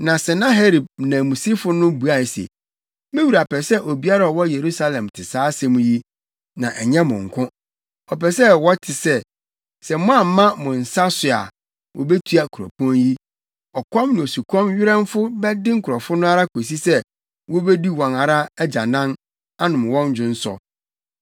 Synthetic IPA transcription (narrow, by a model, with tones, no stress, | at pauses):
nã˨sɛ˨nã˦ɦe˦ɾi˨b̚nã˨mũ˨si˦fʊ˦nʊ̃˦bu˨a˨sḛ˨ | mɪ̃˦wu˨ɾa˨pʰɛ˨sɛ˦ʔo˨bi˦a˦ɾa˨ɔ˨wɔ˦je˨ɾu˦sa˦lɛ̃˨mtʰɪ˨saː˦sɛ̃˦mũ˨˦ji˦ | nã˨ʔɛ˨ɲɛ̃˦mʊ̰̃˨ŋ̩˨kʰʊ̃˦ | ɔ˨pɛ˨sɛ˦wɔ˦tʰɪ˨sɛ˦ | sɛ˨mʊ̃˦a˨m̩˨˦mã˦mʊ̃˨n̩˨sa˦sʊ˨a̰˨ | wʔɔ̰˨be˦tʰu˦a˨kʰu˨ɔ̰˨pʰɔ̃˦nji˦ | ɔ˨kʰɔ̃˦mnɪ̃˨o˨su˨kʰɔ̃˦mɥɪ˦ɾɛ̃˦mfʊ˦bɛ˦dɪ˦ŋ̩˦˨kʰʊ˨ɾɔ˨fʊ̃˦nʊ̃˦a˦ɾa˦kʰo˨s̬i˦sɛ˦ | wɔ˦be˦di˦wɔ̃˨na˨ɾa˦æ˦d͡ʑa˨nã˦n | a˦nʊ̃˨m˨wɔ̃˦n˦d͡ʑᶣʊ̃˨n̩˦sɔ̰˨